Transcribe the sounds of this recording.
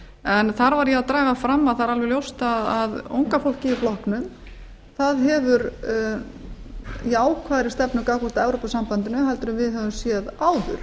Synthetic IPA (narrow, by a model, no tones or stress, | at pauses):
ɛnθaɾvaɾjɛaðt̪ɾaːɣafɾamːaðθaɾalvɛɾljowst̪aðaðo̰wŋkafowl̥cɪiflɔhknʏm | θaðɦɛvʏɾ | iaːwkʰvaːðɾɪst̪ɛpnʏkakɔ̥t̪aɛvɾopasam̥pant̪ɪnʏɦajlt̪ʏɾʏmvɪðɦɛvʏmsjɛðaːwðʏɾ̥